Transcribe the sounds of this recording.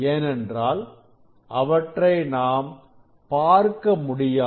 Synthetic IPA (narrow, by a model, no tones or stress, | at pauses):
eːnɛndraːl | ʔɐʋɐʈrɐɪnaːm | paːɾkɐmʊɽɪjaː